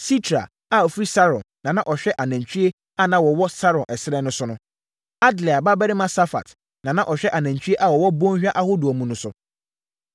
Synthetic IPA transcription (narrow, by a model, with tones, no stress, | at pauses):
si˦tʰɾa̰˨ | a˨ɔ˨fɾi˦sa˦ɾɔ̃˨nːã˨nã˦˨ʔɔ˨ɕᶣɛ˦ʔa˨næ̃˨ɲ˨t͡ɕʰᶣi˦e˦ | a˦˨nã˦wɔ˨wɔ˦sa˦ɾɔ̃˨nʔɛ˨sɪ˦ɾɛ˦nʊ̃˦sʊ˦nʊ̃˦ | a˦dli˨a˨ba˦bɛ˦ɾɪ˦mã˦sa˦fa̰˨t | nã˨nã˦ʔɔ˨ɕᶣɛ˦ʔa˨nã˨ɲ˨t͡ɕʰᶣi˦e˦ʔa˦wɔ˨wɔ˦bõ˦ɲ˦hᶣa˦ʔa˦ho˦du˨ɔ˨mũ˨nʊ̃˨˦sʊ˨